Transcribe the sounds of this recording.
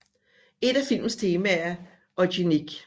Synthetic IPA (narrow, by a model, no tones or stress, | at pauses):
e̝d̥æfil̰mn̩st͡sʰe̝ːmææɐ | ɒ̽ɕiniɡ̥